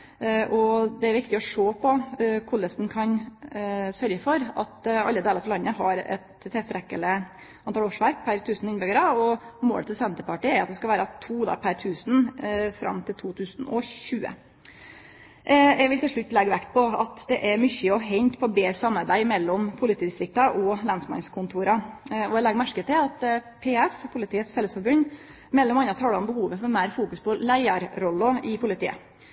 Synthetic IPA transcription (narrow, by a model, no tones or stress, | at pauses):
ʔɔd̪ɛæɾʋɪkt̪ɪɔʂoːpʰɔkʰʊləsnkʰɑn | sœɾɡəfɔɾɑt̪ɑ̰lːəd̪eːləɾt̪ʰɪlɑnːəɦɑɾɛ̰t̪ʰːɛst̪ɾɛkːələ | ʔɑnɑloːʂʋæɾk̚pʰæɾt̪ʰʉːsnɪnbʏɡəɾɑɔmo̰ːlət̪ʰɪlsɛnt̪əɾpɑʈiæɾɑt̪d̪ɛskɑlʋæːɾɑt̪ʰuːd̪ɑ̰ɾpʰæɾt̪ʰʉːsnfɾɑ̰mt̪ʰɪlt̪ʰuːt̪ʰʉːsnɔçʉːə̰ | ʔjɛʋɪlt̪ɪlʂɭʉt̪ːlɛɡʋækt̪̚pʰɔɑt̪d̪ɛʔæɾmʏçəɔɦɛɲt̪pʰɔbeːɾsɑmːɑɾbæɪmɛlːɔmpʰʊlɪt̪ʰiːd̪ɪst̪ɾɪk̚t̪ɑʔɔlɑnsmɑŋskʰʊnt̪ʰuːɾɑɔɛlɛɡmæʂkət̪ʰɪlɑt̪pʰeːɛspʰʊlɪt̪ʰiːət̪sfɛlːəsfɔɾbʉnː | mɛlːɔmɑnːɑt̪ʰɑːləɔmbəhuːʋəfɔɾmæɪɾfuːkʉspʰɔlæɪɑɾɾɔlːɔɪpʰʊlɪt̪ʰḭːə̰